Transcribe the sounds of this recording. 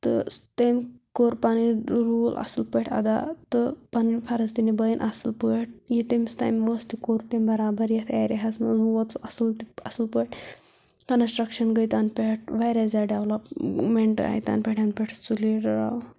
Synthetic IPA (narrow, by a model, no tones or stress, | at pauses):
t̪ɨ̰t̪ɐmkoːɾpaniɾuːlʔɐ̰sɨlpəʈʰɐ̰d̪a̰t̪ɨpaninpʰɐɾɐzt̪inibɐinʔɐsɨlpəʈ̚ʰjit̪emst̪a̰jmʋost̪ikoɾt̪emʲbɐɾaːbɐɾjet̪ʰa̰ːjɾiɦasmɐnzuʋɐt̪ɐsɨlt̪iɐsɨlpəʈ | kɐnsʈɾɐkʃɐnɡəjt̪anpʲeʈ̚ʰʋaːjɾazaːɖɐʋlɐpmeɳʈa̰ːjt̪a̰ːnpʲeʈʰanpʲeʈʰsuliɾɾa̰w